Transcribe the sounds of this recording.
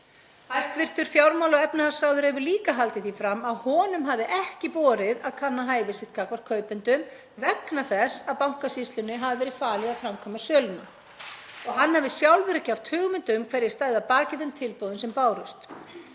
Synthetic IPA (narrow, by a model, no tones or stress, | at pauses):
hanst̪vɪr̥t̪ʏɾ̥fjawɾmawlɔɣɛpnɪhḁsawðʏɾɛvʏɾliːkaɦalt̪ɪθifɾamːaðhɔːnʏmɦavðɪʔɛhcɪpɔːɾɪðaðkʰanːaɦaːjvɪsɪht̪kʰaːkvaɾ̥kʰœːɥpʏnt̪ʏm | vɛknaθɛsaðpawŋ̥kasist̪lʏnːɪɦavɪvɛɾɪð̥faːlɪðaðfɾamkʰɔmasœːlʏna | ɔɣɦanːhavɪsjawlvɛɾacawft̪hʏːɣmʏnt̪ʏmkʰvɛɾjɪst̪aːjðapaːcɪðʏmt̪ʰɪlpoːwðʏnsɛmpaːwɾʏst̪